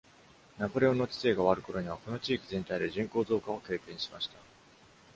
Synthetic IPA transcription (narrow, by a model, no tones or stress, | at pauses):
napo̞ɾʲe̞o̞nːot͡ɕi̥se̞ːɡaβaɾɯ̟ko̞ɾo̞ɲ̟iβ̞ako̞no̞t͡ɕiːkʲizẽnt̪aid̪e̞ʑĩŋko̞ːzo̞ːkao̞ke̞ːkẽ̞ɰ̃ɕi̥maɕi̥t̪a